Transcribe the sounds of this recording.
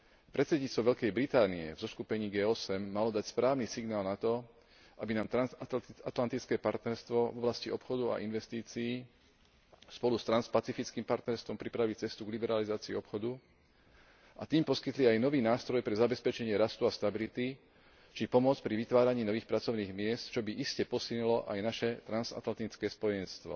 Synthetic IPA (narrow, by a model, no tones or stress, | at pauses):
pɾɛt̪sɛd̪ɲiːtt͡st̪ʋɔʋɛʎkɛjbɾit̪aːniɛ̰vzɔskupɛɲiːɡɛːɔsɛmːalɔd̪acspɾaːʋniːsiɡnaːlnat̪ɔ | ʔabinaːmt̪ɾaat̪lant̪it͡skɛːpaɾt̪nɛɾst̪ʋɔvɔblasciɔpxɔd̪ua̰ʔinʋɛst̪iːt͡siiː | spɔlust̪ɾanspat͡sifit͡skiːmpaɾt̪nɛɾst̪ʋɔmpɾipɾaʋit͡sɛst̪uɡlibɛɾalizaːt͡siḭɔpxɔd̪u | ʔa̰t̪iːmpɔskit̪liajnɔʋiːnaːst̪ɾɔjpɾɛzabɛspɛt͡ʃɛɲɪɛɾast̪uast̪abilit̪i | t͡ʃipɔmɔt͡spɾiʋit̪ʋaːɾaɲiːnɔʋiːxpɾat͡sɔʊniːɣmɪɛst̪t͡ʃɔbiʔiscɛpɔsilɲilɔʔajnaʃɛt̪ɾanza̰t̪lant̪it͡skɛːspɔjɛnst̪ʋɔ̰